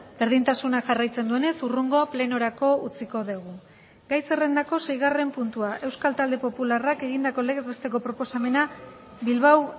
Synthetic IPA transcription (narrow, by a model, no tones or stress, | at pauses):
be̞ɾð̞int̪asunaʝarajt͡se̞nd̪ue̞ne̞suruŋɡo̞ple̞no̞ɾako̞ut͡siko̞ðeɣ̞u | ɡajse̞re̞nd̪ako̞se̞jɣare̞mpunt̪uaʔe̞wskalt̪ald̪epo̞pularake̞ɣind̪ako̞leɣezβe̞st̪e̞ko̞pɾo̞po̞same̞nabilβaw